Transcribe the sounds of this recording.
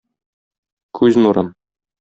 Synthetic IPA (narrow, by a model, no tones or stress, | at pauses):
kʰʉznuɾɤm